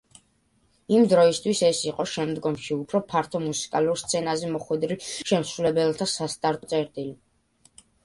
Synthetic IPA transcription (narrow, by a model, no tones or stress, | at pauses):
imd̪ɾɔist̪ʰwisɛsiqʼɔʃɛmd̪ɡɔmʃiupʰɾɔpʰaɾt̪ʰɔmusi̥kʼaluɾst̪sʰɛnazɛmɔχwɛd̪ɾiʃɛmsɾulɛbɛlˠt̪ʰasast̪ʼaɾɔt̪sʼɛɾt̪ʼili